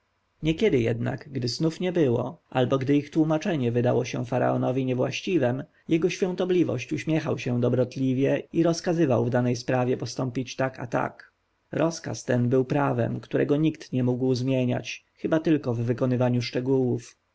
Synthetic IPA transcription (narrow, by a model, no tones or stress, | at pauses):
ɲɛkʲjɛd̪ɘjɛ̰d̪na̰ɡɡd̪ɘznufɲɛbɘwɔ̰ʔa̰lbɔɡd̪ɘixt̪wumat͡ʂɛɲɛvɘd̪a̰wɔɕɛ̰faɾa̰ɔ̰nɔvʲiɲɛvwa̰ɕt͡ɕivɛm | jɛɡɔɕfʲjɔ̃ñt̪ɔblʲivɔ̰ɕt͡ɕuɕmʲjɛxawɕɛd̪ɔbɾɔt̪lʲivʲjɛiɾɔskazɘvawvd̪anɛjspɾavʲjɛpɔst̪ɔmpʲit͡ɕt̪aka̰t̪a̰k | ɾɔska̰st̪ɛnbɘwpɾavɛ̰mkt̪uɾʔɛ̰ɡɔɲikt̪ɲɛmuɡwzmʲjeɲa̰t͡ɕ | xɘbat̪ɘlkɔvːɘkɔnɘvaɲuʂt͡ʂɛɡuwuf